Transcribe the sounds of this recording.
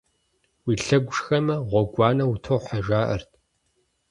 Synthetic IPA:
wiːɬɐɡʷʊʂxɐmɐʁʷɔɡʷɑːnɐwutʰowħaʒaːʔɐ̰rtʰ

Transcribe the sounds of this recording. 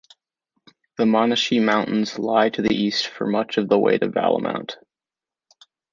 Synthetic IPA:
ðəmɑnɨʃimãʊ̃nʔn̩z̥laɪɾɨðḭʔistfə̰˞mʌt͡ʃʌvðəwḛɪɾɨvæ̰lˠə̰mʔã̰ʊ̃nt

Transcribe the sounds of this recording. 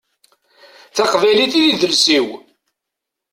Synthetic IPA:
θaqvæjliθiðiðəlsiw

